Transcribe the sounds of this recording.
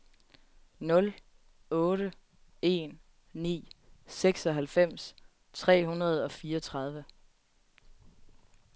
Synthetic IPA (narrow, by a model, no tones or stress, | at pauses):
nɔ̽l | ɔ̽ːɾə | e̝̰ːn | nḭːseɡ̥sɒ̽ɦælfem̰s | t͡sʰʁɛ̰ːɦunɐð̞̩ˠɒ̽fiːɐʌt͡sʰʁɑ̈ð̞ˠʋə